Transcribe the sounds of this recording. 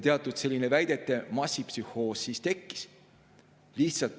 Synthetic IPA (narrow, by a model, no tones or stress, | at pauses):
t̪eɑt̪ːˑud̪̥se̞lʲːinevæjd̪e̞t̪ːˑe̞mɑsʲːipsyho̞ːsːiːst̪e̞kːi̥s | liht̪sɑlt̪